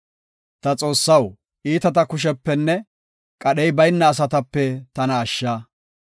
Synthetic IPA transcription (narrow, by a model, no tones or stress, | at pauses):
t̪ɐt͡sʼo̞ːsːɐw | ʔiːt̪ɐt̪ɐkʊʃ̬ɛpːɛnːɛ | kʼɐɗɛjbɐjnːɐːs̬ɐt̪ɐpːɛt̪ɐnɐːʃːaː